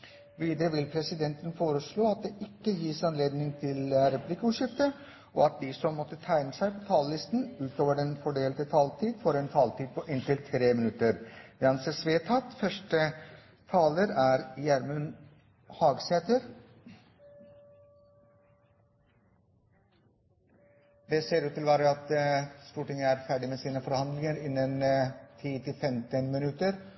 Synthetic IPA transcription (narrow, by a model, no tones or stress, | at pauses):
ʋiːd̪əɾəʋɪlpʰɾɛsɪd̪ɛnt̪ənfoːɾəsɭoːɑt̪̚d̪eʔɪkːəjiːsɑnleːd̪nɪŋt̪ʰɪlɾɛpʉ̥plɪkəuːʂɪft̪ə | ʔɔɑt̪̚d̪isɔmːɔt̪ːət̪ʰæɪnəsæɪpʰɔt̪ʰɑːllɪst̪n̩ʉːt̪oːʋəɖɛnfɔɖeːlt̪ət̪ʰɑːlt̪ʰiːd̪fɔɾɛnt̪ʰɑːlt̪iːd̪̚pʰɔʔɪnt̪ɪlt̪ʰɾeːmɪnʉt̪əɾʋɑnsesʋeːt̪ʰɑt̪fœʂʈə | t̪ʰɑːləɾæːɾjæɾmʉn | hɑːɡsɛt̪əɾ | d̪ɛseːɾʉːt̪ʰːɪlʋɑːɾəɑt̪st̪uːʈɪŋəæːɾfæːɖɪmeːsiːnəfɔɾhɑnd̪lɪŋəɾɪnːənt̪ʰiːt̪ʰɪlfɛmt̪ənmɪnʉt̪əɾ